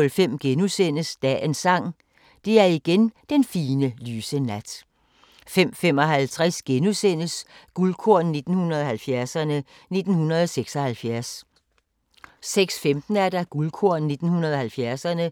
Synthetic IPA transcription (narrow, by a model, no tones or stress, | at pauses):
lfem̰ɡ̥enusenəsd̥ɛ̰ensɑ̈ŋ̰ | d̥e̝æɐiɡ̥end̥enfiːnəlyːsənæd̥ | fem̰fem̰ɒ̽ɦælt͡sʰʁasɡ̥enusenəsɡ̥ulkʰoɐ̰nne̝d̥n̩hunɐð̞ˠɒ̽hælfjæɐsɐnə | ne̝d̥n̩hunɐð̞ˠɒseɡ̥sɒ̽hælfjæɐs | seɡ̥sfemd̥n̩æɐd̥æɡ̥ulkʰoɐ̰nne̝d̥n̩hunɐðˠɒ̽hælfjæɐsɐnə